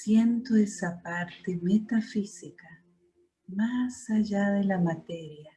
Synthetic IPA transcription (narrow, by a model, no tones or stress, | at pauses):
sjent̪oesapaɾt̪emet̪afisika | masaʝaðelamat̪eɾja